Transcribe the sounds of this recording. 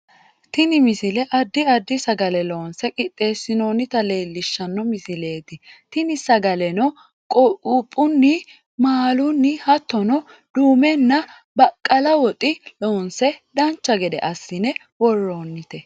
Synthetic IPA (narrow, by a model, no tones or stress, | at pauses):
t̪ɪnɪmɪsɪlɛʔɐd̪ːɪɐd̪ːɪsɐɡɐlɛlo̞ːnsɛkʼɪt̪ʼːe̞ːsːɪnoːnɪt̪ɐle̞ːlːɪʃːɐnːɔmɪsɪle̞ːd̪ɪt̪ɪnɪsɐɡɐlɛnɔ | kʼɔupʼːʊnːɪ | maːlʊnːɪhɐt̪ːɔnɔ | d̪̥uːmɛnːɐ | bɐkʼːɐlɐwɔt̪ʼɪloːnsɛd̪ɐnt͡ʃːɐɡɛd̪ɛ̰ʔɐsːɪnɛ | wɔrːoːnːɪt̪ɛ